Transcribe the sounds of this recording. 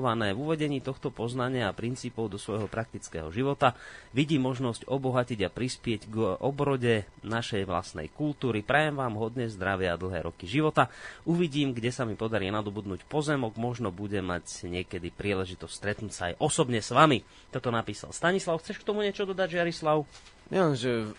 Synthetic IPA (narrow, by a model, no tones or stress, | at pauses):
ʋanɛːvuʋɛɟɛɲiːt̪ɔxt̪ɔpɔznaɲɪaːpɾint͡siːpɔʊd̪ɔsʋɔjɦɔpɾak̚t̪it͡skɛ̰ːɦɔʒiʋɔt̪aʋiɟiːmɔʒnɔscɔbɔɦaciɟapɾispɪɛɟɡʔɔbɾɔɟɛnaʃɛjʋla̰snɛ̰jkult̪uːɾipɾajɛmʋaːmɦɔd̪ɲɛzd̪ɾaʋɪɛad̪l̩ˠɦɛːɾɔkiʒiʋɔt̪auʋiɟiːmɡɟɛsamipɔd̪aɾiːnad̪ɔbud̪nuːcpɔzɛmɔɡmɔʒnɔbuɟɛmːaɟɲɪɛkɛd̪ipɾiːlɛʒit̪ɔscʲst̪ɾɛt̪nuːcsa̰ːjʔɔsɔbɲɛsʋami | t̪ɔt̪ɔnapiːsa̰lst̪aɲislaʊxt͡sɛʃkt̪ɔmuɲɪɛt͡ʃɔd̪ɔd̪aɟʒɪaɾislaʊ | nɛɛmʒɛ